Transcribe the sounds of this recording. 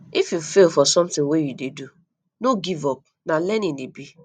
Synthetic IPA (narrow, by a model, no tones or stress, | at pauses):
ifjufelfɔsɔ̃mtɪ̃ŋwejudedu | noɡivɔp̚ | nalɛninibi